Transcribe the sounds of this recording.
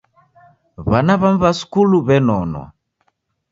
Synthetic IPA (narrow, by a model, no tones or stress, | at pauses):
βanaβam̩βasu̥kuluβɛnɔnwa̰